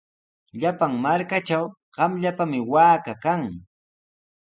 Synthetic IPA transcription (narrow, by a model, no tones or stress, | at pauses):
ʎapaŋmaɾkat͡ʃaw | ɢ̥ɑmʎapamɪwaːkakaŋ